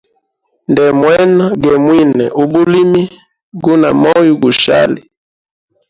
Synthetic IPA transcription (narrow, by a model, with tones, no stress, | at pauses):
ndɛ˨mwɛ˦na˦ɡɛ˨mwi˦nɛ̰˨ʔu˨bu˦li˦mi˦ | ɡu˦na̰˨mɔ˦ju˦ɡu˨ʃa̰˦li˨